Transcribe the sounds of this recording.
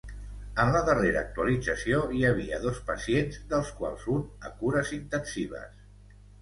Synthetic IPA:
ənləðəreɾəːk̚t̪uəlid͡zəsioiəβ̞iəðospəsienzd̪əlˠskwa̰lˠzunə̰kuɾəzint̪ənsiβ̞ə̰s

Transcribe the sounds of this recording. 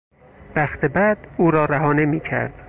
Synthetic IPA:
væxt̪ʰebæd̪̥uːɾɒːɾæɦɒːne̞miːcʰæ̰ɾd̪̥

